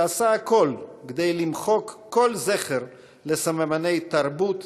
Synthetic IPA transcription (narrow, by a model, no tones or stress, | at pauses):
asaako̞lɡed̪ejlimχo̞kːo̞lzeχeɾ | lesamemanejt̪aɾbut̪